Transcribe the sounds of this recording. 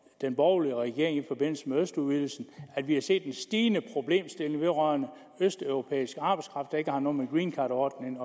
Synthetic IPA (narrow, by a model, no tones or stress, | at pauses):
d̥enb̥ɒʊliəʁɛɡ̥e̝ɐ̰e̝ŋifɒ̽b̥e̝n̰l̩səmeøsd̥uðʋil̩sn̩æd̥ʋihɑ̈se̝̰ːd̥ːensd̥iːnəpʰʁo̝b̥le̝̰ːmsd̥e̝le̝ŋʋe̝ðˠʁœɐnə | øsd̥œʊʁo̝pʰḛːisɡ̥əɑ̈ːb̥ɑ̈ɪskʰʁɑ̈fd̥ɑ̈e̝ɡ̥əhɑ̈nɔ̽ːmeɡ̥ʁiːnkʰɑ̈ːd̥ɒːd̥neŋ